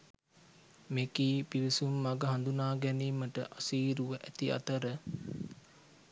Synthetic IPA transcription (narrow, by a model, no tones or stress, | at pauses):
mekiːpiʋisumːaɡəɦand̪unaːɡɛniːməʈə̰ʔasiːɾuʋəʔæt̪ia̰t̪əɾə